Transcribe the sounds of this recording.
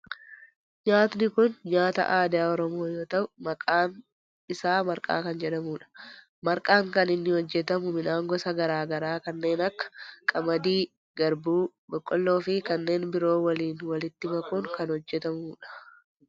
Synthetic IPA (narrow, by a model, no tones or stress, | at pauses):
ɲaːt̪nɪkʊnɲaːt̪ɐ̰ʔaːd̪ɪjaːɔɾɔmo̞ːjo̞ːt̪ɐʔʊmɐkʼaːn | ɪsaːmɐɾkʼa̰ːkɐnd͡ʒɛᶑɐmuːᶑɐ̥ | mɐɾkʼaːŋkɐnɪnːɪhɔd͡ʒːɛt̪ɐmʊmɪnaːŋɡɔsɐɡɐɾaːɡɐɾaːkɐnːe̞ːnɐkːɐ̥kʼɐmɐd̪iː | ɡɐɾbuː | ɡɔkʼːɔlːo̞ːfɪkɐnːe̞ːnbɪɾo̞ːwɐliːnwɐlɪt̪ːɪmɐkʼuːŋkɐnhɔd͡ʒːɛt̪ɐmuːᶑɐ̥